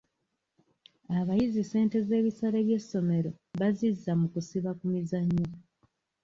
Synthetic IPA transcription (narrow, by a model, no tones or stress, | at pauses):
aβajizise̞ːnte̞ze̞ːβisaɾeβje̞sːo̞me̞ɾo̞ | βazizːamukusiβakumizaɲːo